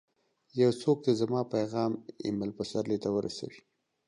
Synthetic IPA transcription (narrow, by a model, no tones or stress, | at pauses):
jawsok̚d̪əzamɑpajɣɑmɪ̰malpasaɾlet̪awəɾʔa̰sa̰wi